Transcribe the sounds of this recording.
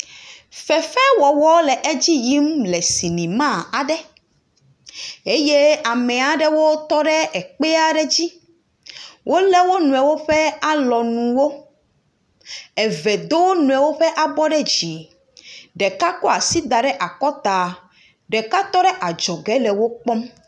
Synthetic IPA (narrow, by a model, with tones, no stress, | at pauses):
fɛ˨fɛ˦wɔ˨wɔ˦lɛ˨ʔe˦d͡ʑi˦ji˦mlɛ˨si˨nĩ˨mã˦˨a˨ɖɛ˦ | e˦je˦a˨mɛ̃˨a˨ɖɛ˦wo˦t̪ɔ˦ɖɛ˦ɛ˨k͡pɛ˦a˨ɖɛ˦d͡ʑi˦ | wʔo˦lɛ˦wo˦nũ˨ɛ˨wo˦ɸɛ˦a˨lɔ˨nũ˨wo˦ | ɛ˨vɛ˨d̪o˦wnũ˨ɛ˨wo˦ɸɛ˦ʔa˨bɔ˦ɖɛ˦d͡ʑi˨ | ɖɛ˨ka˦kɔ˦a˨si˦d̪a˨ɖɛ˦ʔa˨kɔ˦t̪a˨ | ɖɛ˨ka˦t̪ɔ˦ɖɛ˦ʔa˨d͡ʒɔ˨ɡɛ˦lɛ˨wo˦k͡pɔ˦m